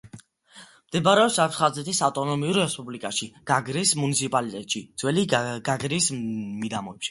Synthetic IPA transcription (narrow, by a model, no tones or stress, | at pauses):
md̪̥ɛbaɾɛɔpsasχazɛt̪ʰisaft̪ʼɔnɔmiuɾɾɛspʼublikʼaʃiɡ̥aɡɾismunit̪sʰipʼalit̪ʼɛt̪ʼʃid̪z̥wɛliɡaɡɾismid̪amɔɛpʃi̥